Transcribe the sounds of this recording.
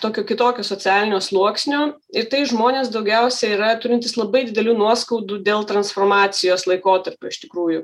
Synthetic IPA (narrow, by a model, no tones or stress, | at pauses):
t̪oːkʲoːkʲɪt̪oːkʲoːsoːt͡ssʲæːlʲɪnʲoːslˠuɔksʲnʲoː | ɪɾt̪ɐɪʒmoːnʲeːsd̪ɐʊɡʲɛʊsʲɛiːɾɐt̪ʊɾʲɪnʲt̪ʲɪslˠɐbɐɪd̪ʲɪd̪ʲɛlʲuːnuɔskɐʊd̪uːd̪ʲeːlˠt̪ɾɐnsfoːrmɑːsʲɪjoːslˠɐɪkoːt̪ɐɾʲpʲoːɪʃʲt̪ʲɪkɾuːjʊ